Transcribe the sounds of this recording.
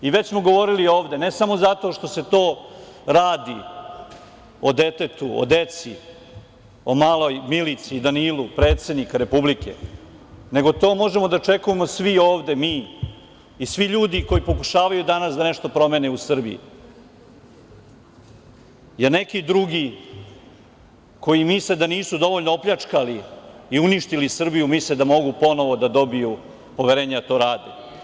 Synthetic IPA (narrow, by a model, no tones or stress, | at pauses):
iʋe̞t͡ɕsmo̞ɡo̞ʋo̞ɾilio̞ːʋd̪e̞ne̞samo̞zat̪o̞ʃt̪o̞se̞t̪o̞ːɾaːd̪i | od̪e̞t̪e̞t̪uo̰d̪e̞t̪si | omaːlˠo̞jmilit̪siːd̪anilˠupɾe̞ːt̪se̞d̪nikaɾe̞publike̞̰ | ne̞ɡo̞t̪o̞ːmo̞ʒemo̞d̪at͡ʂe̞kujemo̞sʋioːʋd̪e̞miː | sʋiʎuːd̪iko̞jipo̞kuʃaːʋajud̪anasd̪aneʂt̪o̞pɾo̞meneusr̩bḭjḭ | jeɾne̞kid̪ɾuɡi | ko̞imisled̪aniːsud̪o̞ʋo̞ʎnoopʎat͡ʂkaliːuniʃt̪ilisr̩bijumisled̪amo̞ɡupo̞no̞ʋo̞d̪ad̪o̞biju | po̞ʋeɾeːɲed̪at̪o̞ːɾaːd̪ḛ